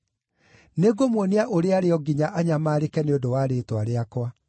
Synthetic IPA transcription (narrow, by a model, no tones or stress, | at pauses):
neɡomwoneaʔoɾeaɾeɔɡiɲaʔaɲamaːɾekɛneodowaːɾetwaɾeakwa